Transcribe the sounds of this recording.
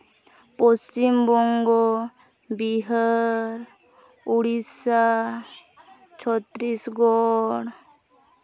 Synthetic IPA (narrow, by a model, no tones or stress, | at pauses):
post͡ɕimbɔŋɡo | biɦəɾ | uɽisa | t͡ɕʰɔt̪ːɾisɡɔɽ